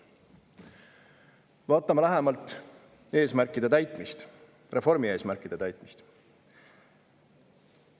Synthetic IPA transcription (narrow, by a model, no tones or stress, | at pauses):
vɑːt̪ːˑɑmɑlæɦemɑlt̪ˑ | e̞ːsmærkːid̪et̪æjt̪ˑmist̪ | re̞fo̞ɾmie̞ːsmæɾkːˑid̪̥e̞t̪æjt̪ˑmist̪